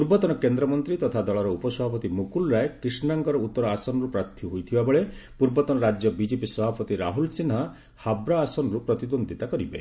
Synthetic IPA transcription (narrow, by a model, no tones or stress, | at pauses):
puɾbɔt̪ɔnɔkend̪ɾɔmɔnt̪ɾit̪ɔt̪ʰad̪ɔɭɔɾɔupɔsɔbʱapɔt̪imukulɾaekɾisnaŋkɔɾɔut̪ːɔɾɔasɔnɔɾupɾat̪ʰːjiɦojt̪ʰibabɔɭepuɾbɔt̪ɔnɔɾad͡ʒjɔbid͡ʒepisɔbʱapɔt̪iɾaɦulsina | habɾaːsɔnɔɾupɾɔt̪id̪ond̪ʱit̪akɔɾibḛ